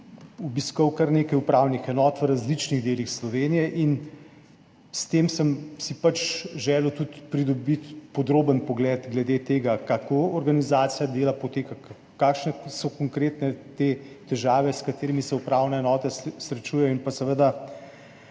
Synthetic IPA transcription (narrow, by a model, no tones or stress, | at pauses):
ubiskɔwkɐɾneːkɐjupɾawnixɛnɔːt̪ʋəɾazlit͡ʃniɣd̪eːlixslɔʋeːnijɛʔin | st̪eːmsəmsipat͡ʃʒɛːlut̪ut̪pɾid̪ɔbit̪pɔd̪ɾoːbənpɔɡlɛːd̪ɡlɛd̪et̪eːɡakakoɔɾɡanizaːt̪sijad̪eːlapɔt̪eːka | kaːkʃnɛsɔkoŋkɾeːt̪nɛt̪eːt̪ɛʒaːʋɛskat̪eːɾimisɛupɾaːwnɛɛnɔːt̪ɛsɾɛt͡ʃuːjɛjɔinpasɛʋəd̪a